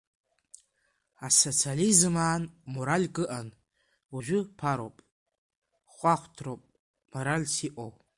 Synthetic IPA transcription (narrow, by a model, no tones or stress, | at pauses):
aso̞t͡sʰializɨmaːnmoɾalʲkʼɨʔan | uʒᶣʷʊpʰaɾo̰wpʼ | χʷaχʷtʰrowpʼ | moɾalʲsiʔʷʼow